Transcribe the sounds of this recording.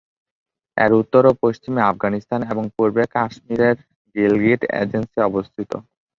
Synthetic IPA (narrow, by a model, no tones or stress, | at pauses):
ɛ̰ɾut̪ːoɾopoʃt͡ɕimeafɡanist̪ʰaneboŋpuɾbekaʃmiɾeɾ | ɡilɡiʈḛd͡ʑensiɔbost̪ʰit̪o̰